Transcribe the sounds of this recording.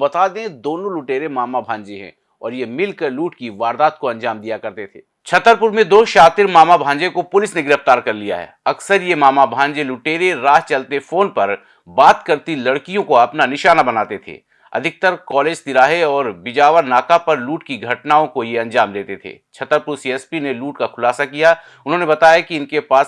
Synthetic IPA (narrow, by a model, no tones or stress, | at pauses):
bɐt̪aːd̪ẽd̪oːnõlʊʈeːɾemaːmabʱãːɲd͡ʒeɦɛ̰̃ | ɔ̰ːɾjemɪlkəɾluːʈkiʋaːɾd̪aːt̪̚koɐ̃nd͡ʒaːmd̪ijakɐɾt̪et̪ʰḛː | t͡ʃʰɐt̪ːəɾpʊɾmẽd̪oːʃaːt̪ɪɾmaːmabʱãːɲd͡ʒekopʊlɪsnẽɡɪɾəft̪aːɾkɐɾlija̰ɦɛ̰ːɐksəɾjemaːmabʱãːɲd͡ʒelʊʈeːɾeɾaːɦt͡ʃɐlt̪efoːnpɐɾ | baːt̪kɐɾt̪ilɐɽkijõkoɐpnanɪʃaːnabɐnaːt̪et̪ʰḛː | ɐ̰d̪ʱɪk̚t̪əɾkɔːleːd͡ʒt̪ɪɾaːɦeɔːɾbɪd͡ʒaːʋəɾnaːkapɐɾluːʈkiɡʱɐʈnaːõkojeɐ̃nd͡ʒaːmd̪eːt̪et̪ʰḛːt͡ʃʰɐt̪əɾpʊɾsiɛspineluːʈkakʰʊlaːsakija | ʊnɦõnebɐt̪aːjakiɪnkepaːs